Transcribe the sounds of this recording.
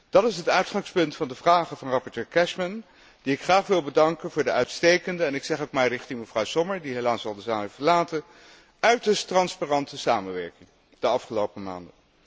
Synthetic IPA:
d̥ɑtɪsɦətœɥtχɑŋspɵntfɑndəvraːχəvɑnrɑpɔɹtøːɹkɛʃmən | d̥iɪkχraːχʋɪlˠbədɑŋkənvʊːɹdəœɥtstejkəndəɛnɪksɛχokmɛjrɪχtɪŋməvrɑwsɔməɹdiɦelaːsɑlˠdəsaːməfəɹlaːtən | œɥtəstrɑnspaːrɑntəsaːmənʋɛ̰ɹkɪŋ | d̥əɑfχəlowpəma̰ːndə

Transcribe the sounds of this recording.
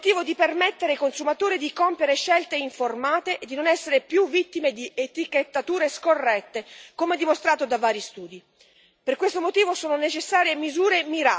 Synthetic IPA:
t̪iːvod̪ipermet̪ːeɾeikonsumat̪oːɾid̪ikompjeɾeʃːɛlt̪eiɱformaːt̪eʔːd̪ːinonɛsːeɾepjuvːit̪ːimed̪iet̪iket̪ːat̪uːɾeskorːɛt̪ːekomeɛd̪imost̪ɾaːt̪od̪avaːɾjist̪uːd̪i | perkwest̪omot̪iːvosoːnonet͡ʃesːaːɾjemizuːɾemiɾa

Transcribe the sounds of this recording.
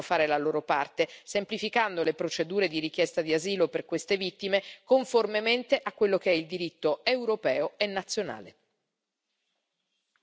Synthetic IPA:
ofaːɾelaloːɾopart̪esemplifikand̪olepɾot͡ʃed̪uːɾed̪iɾik̟jɛst̪ad̪iaziːloperkwest̪evit̪ːimekoɱformement̪eʔakːwelːok̟eɛild̪iɾit̪ːoewɾopɛːoenːat̪sːjona̰ːlḛ

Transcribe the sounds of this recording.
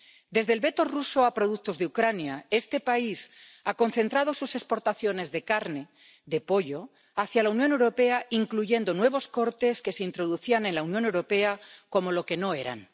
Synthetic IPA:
d̪e̞zðe̞lβe̞t̪o̞ruso̞apɾo̞ðukt̪o̞zðeukɾanjae̞st̪e̞pais | ako̞n̟θe̞nt̪ɾað̞o̞suse̞spo̞ɾt̪aθjo̞ne̞zðe̞kaɾne̞ | ðe̞po̞ʎo̞ | aθjalaunjone̞wɾo̞pe̞aiŋkluʝe̞nd̪o̞nwe̞β̞o̞sko̞ɾt̪e̞ske̞se̞int̪ɾo̞ðuθianẽ̞nlaunjo̞ne̞wɾo̞pe̞ako̞mo̞lo̞ke̞no̞e̞ɾa̰n

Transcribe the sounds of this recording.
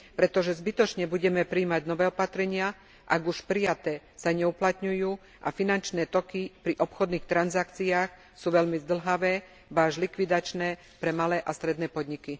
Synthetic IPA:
pɾɛt̪ɔʒɛzbit̪ɔt͡ʃɲɛbuɟɛmɛpɾiːmaɟnɔʋɛːɔpat̪ɾɛɲɪa | ʔa̰ɡuʃpɾijat̪ɛː | saɲɛuplat̪ɲujuː | ʔa̰finant͡ʃnɛːt̪ɔkipɾiʔɔpxɔd̪niːxt̪ɾanzakt͡siaːx | suːʋɛʎmizd̪l̩ɦaʋɛː | baːʒlikʋid̪at͡ʃnɛː | pɾɛmalɛːʔast̪ɾɛd̪nɛːpɔd̪ɲiki

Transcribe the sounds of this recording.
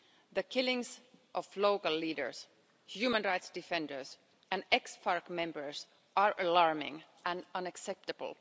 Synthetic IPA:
ðəkʰɪlɪ̃ŋsʔɔfloʊkəlˠliːdə̰˞s | hjumə̃nɹaɪtsd̥ɪfɛ̃ndə˞s | ʔæ̃nɛksfɑɹkmɛ̃mbəɹs | ʔaɹʔəlɑɹmɪ̰̃ŋʔæ̃nʌ̃næksɛp̚təb̰l̩ˠ

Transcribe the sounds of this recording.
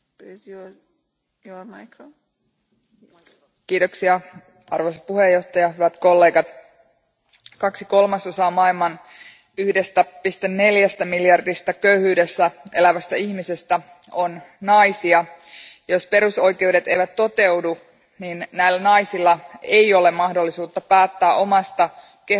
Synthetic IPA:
jomko | kiːt̪oksiɑ | ɑrʋojsɑpuhejːo̞ht̪ɑjɑɦyʋæt̪ko̞lːe̞ːɡɑt̪ | kɑksiko̞lmɑsosɑːmɑilmɑn | yhde̞st̪æpist̪enːe̞ljæst̪æmiljɑrdist̪ækøyhyːde̞sːæʔe̞̰læʋæst̪æiçmise̞st̪æ | o̞nnɑjsiɑjo̞spe̞ɾuso̞jke̞wde̞t̪e̞̰jʋæt̪ːo̞t̪e̞wdu | ninnæjlːænɑjsilːɑejo̞le̞mɑhdo̞lːisuːt̪ːɑpæːt̪ːæːʔo̞mɑst̪ɑ | ke

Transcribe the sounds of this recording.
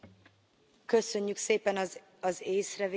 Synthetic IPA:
kø̞sø̞ɲːykseːpɛn | ɒzeːsrɛv

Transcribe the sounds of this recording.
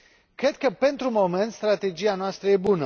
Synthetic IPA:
kɾe̞d̪kəpe̞nt̪ɾumo̞me̞nt̪st̪ɾat̪e̞d͡ʒijanoast̪ɾəje̞bunə

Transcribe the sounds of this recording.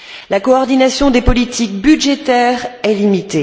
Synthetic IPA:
lakɔːʁd̪inasjɔ̃d̪epɔlit̪ʰik̚bydʒet̪ɛːʁɛlimit̪e

